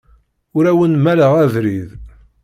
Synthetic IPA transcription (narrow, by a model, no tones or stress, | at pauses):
ʊɾæwənmæləʁævɾið